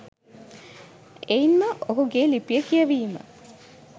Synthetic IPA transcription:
einməʔoɦuɡeːlipijəkijəʋiːmə̰

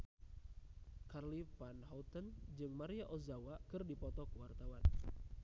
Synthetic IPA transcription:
karlipanɦɔlt̪ənd͡ʒɨŋmaɾiaʔɔzawakɨrdipɔt̪ɔkuwart̪awan

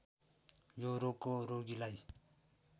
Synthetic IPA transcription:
joɾokoɾoɡilaj

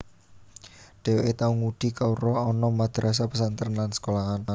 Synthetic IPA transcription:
ɖ̥e̤weet̪auŋuɖ̥i̤kauɾɔːnɔmad̪̥ɾas̬apəsant̪əɾənlansə̥kolaŋana

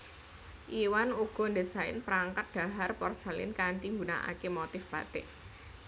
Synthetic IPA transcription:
ʔiwanuɡ̥ɔ̤nd̪e̤saɪ̰npəɾaŋkat̪̚d̪̥a̤ɦarpɔrsalɪ̰nkaɳʈ̪iŋɡuna̰ʔa̰kemɔt̪ɪfb̥a̤̰t̪ɪʔ

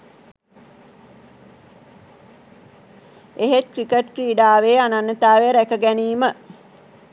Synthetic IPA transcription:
eɦet̪̚kɾikəʈkɾiːɖaːʋeːananːət̪aːʋeɾækəɡæniːmə

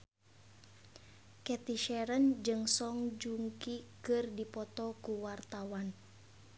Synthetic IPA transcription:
kɛt̪iʃɛɾənd͡ʒɨŋsɔŋd͡ʒuŋkikɨrdipɔt̪ɔkuwart̪awan

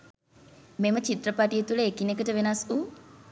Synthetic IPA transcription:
memət͡ʃit̪ɾəpaʈijət̪uləekinekəʈəʋenasu

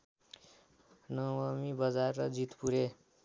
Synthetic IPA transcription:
nʌwʌmibʌd͡zarːʌd͡zit̪puɾe

